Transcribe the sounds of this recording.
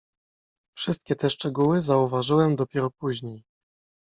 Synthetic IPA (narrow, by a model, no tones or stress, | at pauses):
fʂɘst̪̚kʲɛt̪ɛʂt͡ʂɛɡuwɘzauvaʐɘwɛmd̪ɔpʲjɛɾɔpuʑɲej